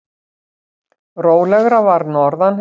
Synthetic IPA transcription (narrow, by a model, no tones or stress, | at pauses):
roːwlɛɣɾavaɾnɔɾðan